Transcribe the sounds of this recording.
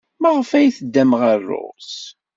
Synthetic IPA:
məʁəfæjθəd̪ːæmʁərˤːʊ̰ʁs

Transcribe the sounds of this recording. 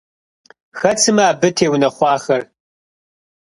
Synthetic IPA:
xɐt͡sʰɨmɐaːbɨtʰeːwnɐχʷɑːχɐr

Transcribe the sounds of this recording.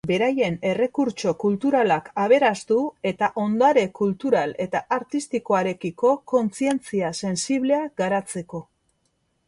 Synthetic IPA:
be̞ɾaje̞ne̞re̞kuɾt͡ʃo̞kult̪uɾalakaβ̞e̞ɾast̪ue̞t̪aʔo̞nd̪aɾe̞kult̪uɾale̞t̪aʔaɾt̪ist̪iko̞aɾe̞kiko̞ko̞nt͡sie̞nt͡siase̞nsiβle̞aɡaɾat͡se̞ko̞

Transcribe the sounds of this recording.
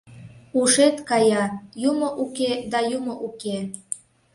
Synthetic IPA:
uʃet̪kɑjɑjumoʔuked̪ɑjumoʔuke

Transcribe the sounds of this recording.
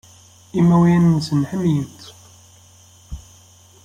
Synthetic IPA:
imæwiænsənħəmjənt̪

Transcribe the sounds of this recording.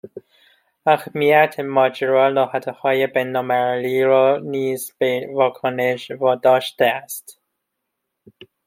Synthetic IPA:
æxmijæt̪ʰemɒːd͡ʒeɾɒːlɒːhæt̪ʰehɒːjebenːɒːmæɾliːɾɒːniːzbevɒːkʰoneʃvɒːd̪ɒːʃt̪eæst̪

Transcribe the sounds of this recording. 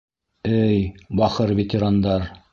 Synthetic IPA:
ɘjbɑχɤɾvʲet̪ʲɪɾand̪ɑɾ

